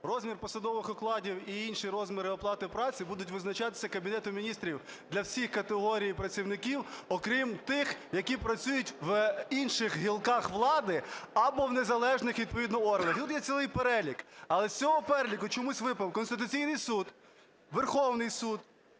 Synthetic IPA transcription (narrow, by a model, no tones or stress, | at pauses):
rɔzʲmʲirpɔsɐd̪ɔʋɪxɔklˠɑdʲiwiinʃiɾɔzʲmʲɪɾɪɔplˠɑt̪ɪwpɾɑt͡sʲibud̪ʊtʲʋɪznɐt͡ʃɑt̪ɪ̥sʲɐkɐbʲinɛt̪ʊmʲinʲist̪ɾʲiw | d̪lʲɐwsʲixkɐt̪eɦɔɾʲijipɾɐt͡sʲiwnɪkʲiwɔkɾʲimt̪ɪxjɐkʲipɾɐt͡sʲujʊtʲʋinʃɪxɦilˠkɑxʋlˠɑd̪ɪɐbɔwnezɐlˠɛʒnɪxʋʲid̪̚pɔʋʲid̪nɔɔrɦnɐɐxt̪ut̪jɛt͡sʲilˠɪjpeɾɛlʲikɐlˠɛst͡sʲɔɦɔpɛɾelʲikʊt͡ʃɔmusʲʋɪpɐwkɔnst̪ɪt̪ʊt͡sʲijnɪjsud̪ | ʋerxɔwnɪjsud̪